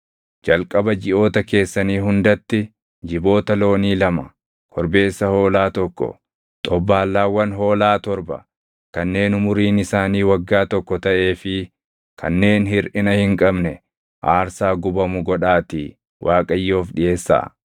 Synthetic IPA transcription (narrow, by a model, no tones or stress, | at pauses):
d͡ʒɐlkʼɐbɐd͡ʒɪʔo̞ːt̪ɐke̞ːsːɐniːhʊnd̪ɐt̪ːɪ | d͡ʒɪbo̞ːt̪ɐlo̞ːniːlɐmɐ | kʰɔɾbe̞ːsːɐho̞ːlaːt̪ɔkːɔ̰ | t̪ʼɔbːaːlːaːwɐnɦo̞ːlaːt̪ɔɾbɐ̰ | kɐnːe̞ːnʊmʊɾiːnɪsaːniːwɐɡːaːt̪ɔkːɔt̪ɐʔe̞ːfɪ | kʰɐ̰nːe̞ːnɦɪɾʔɪnɐhɪŋkʼɐbnɛ | ʔaːɾsaːɡʊbɐmʊɡɔᶑaːt̪iː | wʔaːkʼɐjːo̞ːfɗɪʔe̞ːsːa̰